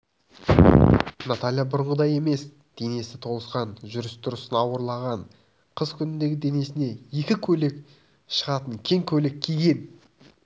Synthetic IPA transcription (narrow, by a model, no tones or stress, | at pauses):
nat̪alʲijabʊɾəɴʁəd̪ɑje̞me̞s | d̪̥e̞ne̞sɪt̪ʰo̞lˠəsqɑnʒʏɾɪst̪ʰʊɾəsənɑwəɾlˠɑʁɑɴ | qʰəzkʲʰʏnɪnd̪e̞ɡʲɪd̪e̞ne̞sɪne̞je̞kʲɪkʲʰɵlek | ʃəʁɑt̪əŋkʲʰe̞ŋkʲʰɵlɪk̚ʲʰiɡʲe̞n